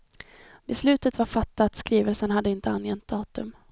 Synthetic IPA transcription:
bɛslʉ̟ːt̪ət̪vaɾfat̪ːaːt̪skɾiːvəlsənɦad̪ːəɪnt̪əanjɛnt̪̚d̪ɑːt̪ɵm

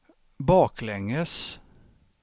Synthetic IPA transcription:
bɑːklɛŋəs

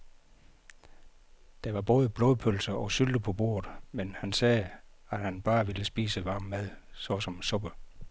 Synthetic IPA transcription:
d̥ɑ̈ʋɑ̈b̥ɔ̽ːð̞ˠəb̥lɔ̽ːðˠpʰølsɐɒ̽syld̥əpʰɒ̽b̥o̝̰ːɐðˠmenhænsɛː | æ̥hænb̥ɑ̈ːʋiləsb̥ḭːsəʋɑ̈ːmmæðˠsɒ̽sɒ̽msɔ̽b̥ə

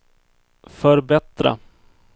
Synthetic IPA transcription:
fœɾbɛt̪ɾa̰

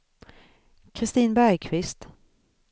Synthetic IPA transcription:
kʰɾɪst̪iːnbæɾjkʰvɪst̪

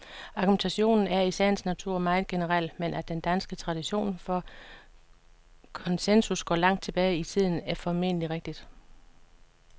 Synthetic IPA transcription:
ɑ̈ɡ̥ument͡sʰæɕo̝̰ːnn̩æɐisæ̰ɐnsnæt͡sʰuɐ̰mɑ̈ɪð̩ˠɡ̥e̝nəʁɑl̰menʔæ̥d̥end̥ænsɡ̥ət͡sʰʁɑ̈d̥iɕo̝̰ːnfɒ | kʰɒ̽nsensusɡ̥ɒ̰ːlɑ̈ŋ̰d̥̚t͡sʰe̝b̥ɛːɪit͡sʰið̞̰ˠn̩æɐfɒme̝̰n̰əliʁeɡ̥̚d̥id̥

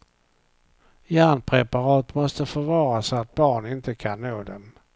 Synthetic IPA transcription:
jæːnpʰɾɛpaɾɑːt̪mɔst̪əfœɾvɑːɾasat̪̚bɑːɳɪnt̪əkʰanːoːd̪ɛm

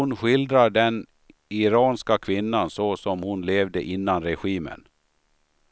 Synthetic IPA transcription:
ʊnɧɪld̪ɾaɖɛn | ɪɾɑːnskakʰvɪnːansɔsɔmhʊnleːvd̪əʔɪnːanɾɛɧiːmə̰n

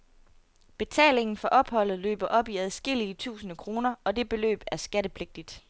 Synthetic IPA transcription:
b̥e̝t͡sʰɛ̰ːle̝ŋn̩fɒ̽ʔɒ̽b̥hɒ̽l̰ð̩ˠlø̰ːb̥ɐʔɒ̽b̥iæð̞ˠsɡ̥e̝l̰iət͡sʰṵːsnəkʰʁo̝ːnɐɒ̽d̥e̝b̥e̝lø̰ːb̥æɐsɡ̥æɾəpʰle̝ɡ̥̚d̥id̥

